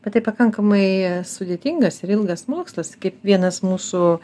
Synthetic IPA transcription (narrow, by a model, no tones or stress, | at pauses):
b̥ʲɛt̪t̪ːɐɪpɐkɐŋkɐmɐɪsʊd̪ʲeːt̪ʲɪŋɡɐsɪɾɪlˠɡɐsmoɔkslˠɐskɐɪpʋʲiɛnɐsmuːsʊ